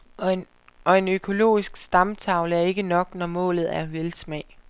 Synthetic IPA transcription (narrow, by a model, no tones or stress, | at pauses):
ʔɒ̽e̝nøkʰo̝lo̝̰ːisɡ̥sd̥ɑ̈mt͡sʰɑ̈ʊləæɐe̝ɡ̥ənɒ̽ɡ̥nɒmɔ̰ːlð̞̩ˠæɐʋelsmɛ̰ː